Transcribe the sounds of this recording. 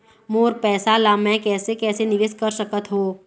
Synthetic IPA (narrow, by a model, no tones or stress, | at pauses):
moːɾpɛːsalaːmɛ̃kɛːsekɛːsenɪʋɪskəɾsəkət̪ɦoː